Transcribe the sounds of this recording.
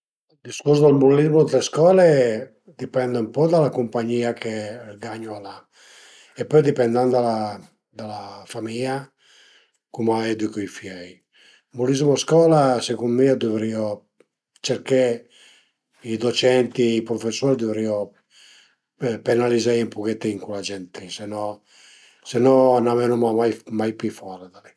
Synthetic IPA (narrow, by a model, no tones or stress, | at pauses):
d̪iskusd̪elmulizmod̪leskɔːle | d̪ipɛnd̪eumpɔd̪alakumpaɲːiːakʰeɡaɲːoala | epːɔjd̪ipɛnd̪and̪ala | d̪alafamia | kumajɛd̪ikuifjɛj | mulizmoskɔːlasekummiɔd̪uvɾio | t͡ʃeɾke | id̪ɔt͡ʃɛnt̪iːpɾɔfesːɔːɾd̪uvɾiɔ | penalizajempuket̪ːiiŋkulad͡ʒɛnt̪isenɔ | senːɔnamɛnumamajmajpifɔɾad̪ali